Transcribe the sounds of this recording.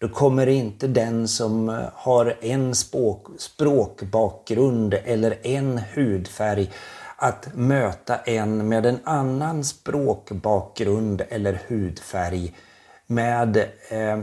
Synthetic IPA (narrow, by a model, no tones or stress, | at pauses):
d̪̥ɔkʰɔmːəɾɪnt̪əd̪ɛnsɔmhaɾɛnspːspɾoːkbɑːk̚ɡɾɵnd̪ɛlːəɾɛnhʉːd̪fæɾjʔat̪møːt̪aʔɛnmeːd̪ɛnanːanspɾoːkbɑːk̚ɡɾɵnd̪ɛlːəɾhʉ̟ːd̪fæɾj | meːd̪